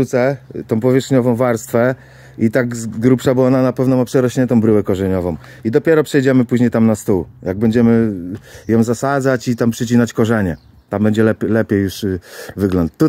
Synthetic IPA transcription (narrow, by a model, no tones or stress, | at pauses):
ut̪sɛt̪ɔ̃w̃pɔvʲjɛʂxɲɔvɔ̃w̃vaɾst̪fɛ | it̪aɡzɡɾupʂabɘwaɔnanapɛvnɔmapʂɛɾɔɕɲɛnt̪̬ɔ̃w̃bɾɘwɛkɔʐɛɲɔvɔ̃w̃ | id̪ɔpʲjɛɾɔpʂɛjd͡ʑɛmɘpuʑɲejt̪amnast̪uwjaɡ̚bɛɲd͡ʑɛmɘjɔ̃w̃zasad̪zat͡ɕit̪ampʂɛt͡ɕinat͡ɕkɔʐɛɲɛ | t̪ambɛɲd͡ʑɛlɛlɛpʲejːuʂvɘɡlɔnt̪ːu